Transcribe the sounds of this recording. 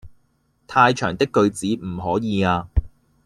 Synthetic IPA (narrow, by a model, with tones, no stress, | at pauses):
t̪ʰaː˧jt͡ʃʰœ̰ː˨˩ŋt̪ɪ˥kːɵ˧ɥt͡siː˨˥m̩˨˩ɦɔː˨˥jiː˨˧aː˧